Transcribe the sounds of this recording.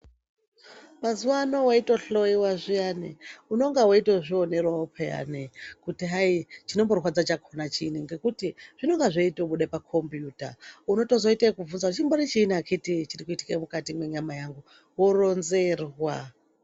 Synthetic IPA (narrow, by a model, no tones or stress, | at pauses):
mazuwanowaitoɬoiwaʐijaniuno̞ŋɡawoitoʐione̞rwaopʰea̰nekutiɦait͡ʃino̞mborwad͡zat͡ʃakʰonat͡ʃiniŋɡe̞kutiʐ̥ino̞ŋɡaʐeitoɓuɗepakʰo̞mbjuːta̰uno̞to̞zo̞itakuvunzautt͡ʃimboɾit͡ʃiːniakʰitit͡ʃirikuiti̥kaimukatimwe̞ɲamajaŋɡu | woronzeːrwa